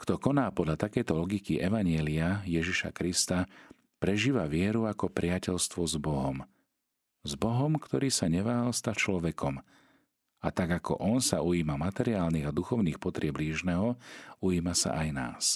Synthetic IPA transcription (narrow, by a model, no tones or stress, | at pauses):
kt̪ɔkɔnaːpɔd̪lʎat̪akɛjt̪ɔlɔɡikiʔɛʋaɲɪɛliajɛʒiʃa̰kɾist̪a | pɾɛʒiːʋaʋɪɛɾuakɔpɾɪacɛʎst̪ʋɔzbɔɦɔm | zbɔɦɔmkt̪ɔɾiːsaɲɛʋaːɦalst̪at͡ʃlɔʋɛkʰɔm | at̪aɡakɔ̰ʔɔnsaujiːmamat̪ɛɾiaːlniɣad̪uxɔʊniːxpɔt̪ɾɪɛbliːʒnɛɦɔujiːmasa̰ʔajna̰ːs